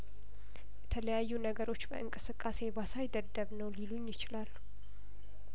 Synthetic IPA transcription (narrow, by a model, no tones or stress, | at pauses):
jɛt̪ʰələjajːunəɡəɾo̞t͡ʃːbə̰ʔɨŋkʼɨsɨkʼːase̞basajd̪əd̪ːəβnəwliluɲːjɪt͡ʃɪlalːu